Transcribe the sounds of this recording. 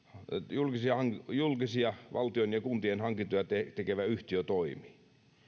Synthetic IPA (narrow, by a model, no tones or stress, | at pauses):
julkisiɑhɑŋjulkisiɑʋʔɑ̰lt̪ionjɑkunt̪ienhɑŋkint̪ojɑt̪et̪ekeʋæyht̪iøt̪oimi̥ː